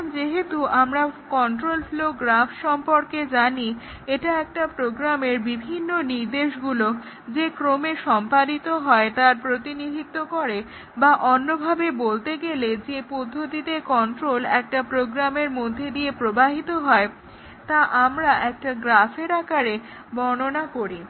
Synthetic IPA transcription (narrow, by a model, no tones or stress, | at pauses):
md͡ʑeɦet̪uamɾakɔnʈɾolfloɡɾafʃɔmpoɾked͡ʑani | eʈaɛk̚ʈapɾoɡɾameɾbibʱinːoniɾd̪eʃɡulo | d͡ʑekɾomeʃɔmpadit̪oɦɔet̪aɾpɾot̪inid̪ʱit̪ːokoɾe | baʔonːobʱabebolt̪eɡeled͡ʑepod̪ʱːot̪it̪ekɔɳʈɾolɛk̚ʈapɾoɡɾameɾmod̪ʱːed̪iepɾobaɦit̪oɦɔe | t̪aʔamɾaʔɛk̚ʈaɡɾafeɾakaɾe | bɔnonakoɾi